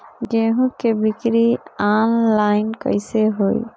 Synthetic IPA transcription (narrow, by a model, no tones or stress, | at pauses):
ɡeɦũkebikɾianlajnkə̰jseɦoj